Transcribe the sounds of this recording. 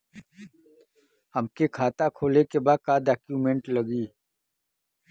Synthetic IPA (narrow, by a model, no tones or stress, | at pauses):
hɐmkekʰaːt̪akʰoːlekebaːd̪̚kaːd̪aːkjuːmẽɳʈlɐɡiː